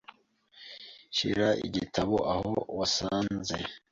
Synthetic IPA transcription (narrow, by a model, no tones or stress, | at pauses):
ʃḭɾaʔḭɟitʰaβo̰ʔahowasaːnze